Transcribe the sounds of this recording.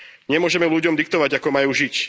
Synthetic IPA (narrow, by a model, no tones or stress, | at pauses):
ɲɛmʊɔʒɛmɛluɟɔmd̪ik̚t̪ɔʋaɟakɔmajuːʒic